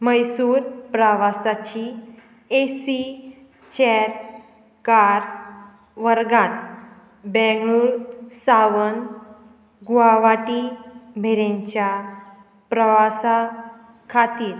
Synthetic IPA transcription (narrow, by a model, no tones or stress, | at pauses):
məjsuːɾpɾəʋasat͡ɕi | esi | t͡ɕɛɾ | kaɾ | ʋəɾɡãt̪ | bɛ̃ɡɭuːɭsaʋən | ɡuaʋaʈimʱeɾẽɲt͡ɕja | pɾəʋasa | kʰat̪iːɾ